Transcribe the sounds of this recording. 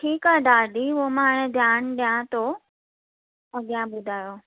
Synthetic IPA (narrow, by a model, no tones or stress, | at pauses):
ʈʰiːkad̪aːɖiɦomãːɽ̃ed̪ʱjaːnɗjãt̪o | ɐɡjãbʊd̪ʱaːjo